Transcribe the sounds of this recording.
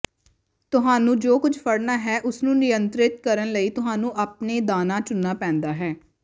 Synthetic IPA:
t̪ʊɦaːnũːd͡ʒoːkʊd͡ʒpʰəɽnaːɦɛːʔʊsnũːnɪjənt̪ɾɪt̪kəɾənləiːt̪ʊɦaːnũːʔaːpneːd̪aːnãːt͡ʃʊnːaːpɛ̃ːnd̪aːɦɛː

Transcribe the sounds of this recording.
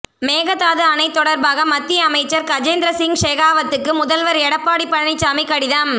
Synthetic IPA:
meːɣɐt̪ːaːðɯɐnɐɪt̪ːɔɽɐɾbaːɣɐmɐt̪ːɪjɐɐmɐɪt͡ʃːɐɾkɐd͡ʒeːnd̪ɾɐsɪŋʂeːɣaːʋɐt̪ːɯkːɯmʊðɐlʋɐɾɛɽɐpːaːɽipːɐɽɐɳɪt͡ʃːamɪkːɐɽɪðaːm

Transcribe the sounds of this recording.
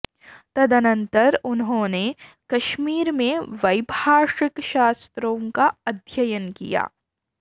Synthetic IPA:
t̪ɐd̪ʱənə̃nt̪əɾʊnɦõːne | kɐʃmiːɾmẽʋɐjbʱaːʃɪkʃaːst̪ɾõːkaɐd̪ʱjəjənkḭja̰ː

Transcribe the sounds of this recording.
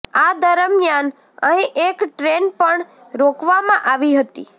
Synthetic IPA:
ad̪əɾəmjan | əɦĩʔekʈɾenpəɳ | ɾokʰʋamãʔaʋiɦət̪i

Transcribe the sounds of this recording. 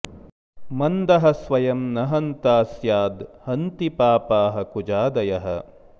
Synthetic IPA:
mɐnd̪ɐɦɐ̆sʋɐjɐmnɐɦɐnt̪aːsjaːd̪hɐnt̪ipaːpaːɦɐ̆kud͡ʒaːd̪ɐjɐɦɐ̰

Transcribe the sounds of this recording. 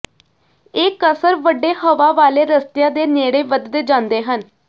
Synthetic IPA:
eːkəsəɾʋəɖːeːhəʋaːʋaːleːɾəst̪jaːd̪eːneːɽeːʋəd̪d̪eːd͡ʒãːnd̪eːɦən

